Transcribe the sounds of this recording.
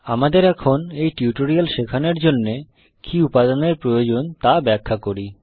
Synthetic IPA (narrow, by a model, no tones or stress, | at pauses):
amad̪eɾɛkʰonejʈiuʈoɾialʃekʰaneɾd͡ʑonːe | kiupad̪oneɾpɾojod͡ʑont̪abɛkʰːakoɾi